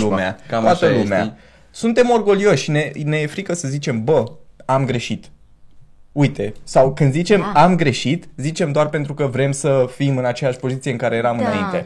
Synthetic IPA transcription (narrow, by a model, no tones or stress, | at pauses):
umeaat̪əlumea̰ | sunt̪e̞mo̞rɡo̞lio̞ʃʲne̞ne̞fɾikəsəzit͡ʃe̞mbəamɡɾe̞ʃit̪ | ujt̪e̞sawkɨnd̪zit͡ʃe̞mamɡɾe̞ʃit̪zit͡ʃe̞md̪oarpe̞nt̪ɾukəvɾe̞msəfimɨnat͡ʃe̞jaʃʲpo̞zit̪sijeɨŋkaɾe̞je̞ɾamɨnnaint̪e̞